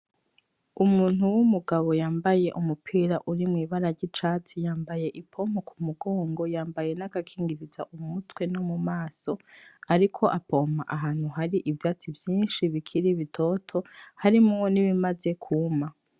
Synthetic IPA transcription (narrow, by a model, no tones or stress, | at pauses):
umuːnhuwumuɡaβo̞jaːmbaje̞ʔumupʰiːɾaʔuɾimŋiːβaɾaɾɟit͡ʃat͡sijaːmbaje̞ʔipʰo̞mokʰumuɡo̞ːŋɡo̞jaːmbaje̞naɡakʰiːŋɡiɾiza̰ʔumutwe̞nomumaːso̞aɾikʰo̞ʔapo̞maʔaɦaːn̥huɦaɾiʔivjaːt͡sivjiːnʃiβikʰiɾiβitʰo̞tʰo̞haɾimuŋoniβimaze̞kʰuma